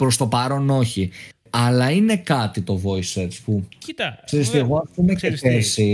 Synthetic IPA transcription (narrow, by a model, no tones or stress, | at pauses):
pɾo̞st̪o̞pɐɾo̞no̞çi | ɐlɐine̞kɐt̪it̪o̞vo̞isespukseɾist̪ieɣo̞ɐft̪oimekeesi